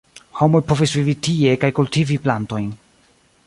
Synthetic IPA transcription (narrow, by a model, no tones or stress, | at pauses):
ho̞mo̞jpo̞visvivitie̞kajkultiviplanto̞jn